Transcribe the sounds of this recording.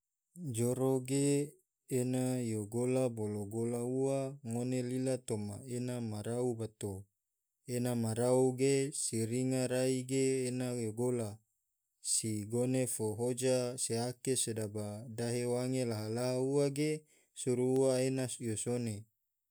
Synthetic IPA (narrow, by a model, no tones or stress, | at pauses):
d͡ʒoɾoɡeː | najoɡolaboloɡolauwaŋonelilat̪omaenamaɾaubat̪o | enamaɾauɡesiɾiŋaɾaiɡeːnajoɡola | siɡonefoɦod͡ʒaseakesedabadaɦewaŋelaɦalaɦauaɡe | suɾuuaenasjosone